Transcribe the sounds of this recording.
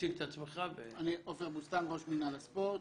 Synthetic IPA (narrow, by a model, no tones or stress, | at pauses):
ikt̪at͡smeχaveaniʔoveʁbust̪amɡoʃminalaspoʁt